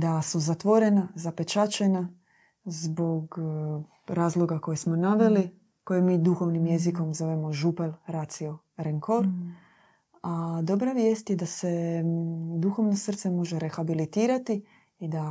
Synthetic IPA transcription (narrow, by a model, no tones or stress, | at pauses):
d̪asuzat̪ʋo̞ɾe̞nazape̞t͡ʃat͡ʃe̞na | zbo̞ɡ | ɾaːzlˠo̞ɡako̞jesmo̞naʋe̞li | ko̞jemiːd̪uxo̞ʋnimje̞ziko̞mzo̞ʋemo̞ʒupelɾat̪sio̞ | ɾeŋkʰo̞ɾ | ad̪o̞bɾaʋje̞ːst̪je̞d̪ase̞ | d̪uxo̞ʋno̞sr̩t̪se̞mo̞ʒe̞ɾe̞xabilit̪iːɾat̪i | id̪a